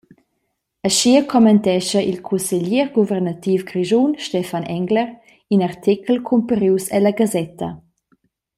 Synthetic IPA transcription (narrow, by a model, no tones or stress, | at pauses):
əʃiəkʰɔmɛnt̪ɛʃəʔilkʰunseʎiɾɡuvɛɾnat̪iːfɡɾiʒunʃtɛfanɛŋɡləɾ | inart̪ʰikʰlkʰumpəɾiːsɛlaɡazɛt̪ʰɐ̰